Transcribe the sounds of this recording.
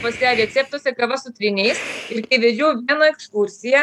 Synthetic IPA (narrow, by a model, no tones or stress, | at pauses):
pɐsʲɛɾʲɛt̪sʲɛp̚t̪oɔsʲɛkɐʋɐsʊt̪ʲɾʲɪnʲɛɪsɪɾkʲɛɪʋʲɛd͡ʒʲuːʋʲiɛnɐɛkskuɾʲsʲɪjɛ